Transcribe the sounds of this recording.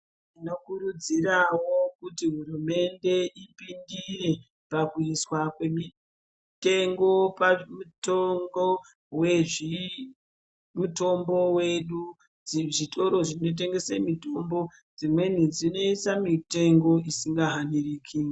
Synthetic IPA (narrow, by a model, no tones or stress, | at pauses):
inokuɾud͡zirawo̞kutiɦurume̞nde̞ʔipindire̞ | pakuiswakwe̞mi | te̞ŋɡo̞pamutoŋbo | we̞ʐi | muto̞mbowe̞ɗu | ʐito̞ɾo̞ʐino̞t̬e̞ŋɡe̞semito̞mbo̞ | d͡zimwe̞n̤ud͡zino̞isamite̞ŋɡo̞isiŋɡaɦaniriːkʰi